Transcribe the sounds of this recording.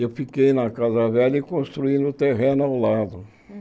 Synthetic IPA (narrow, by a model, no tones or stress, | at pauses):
ewfikejnɐkazɐvɛʎɐikõst̪ɾuĩnd̪ʊt̪eɦẽnʊawlad̪ʊ